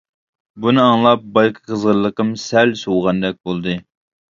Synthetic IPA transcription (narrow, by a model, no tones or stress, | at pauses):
bunɨɑŋlˠɑp̚bɑjqʰə̥qʰəzʁəɾlˠəqəmsɛlsowʁɑnd̪ɛk̚ʲbolˠd̪ɨ